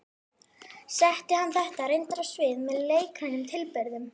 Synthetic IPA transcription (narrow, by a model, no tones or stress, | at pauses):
sɛht̪ɪhanːθɛht̪aɾejnt̪ɾasvɪːðmɛðleːjkʰajnʏmt̪ʰɪlpɛɾðʏm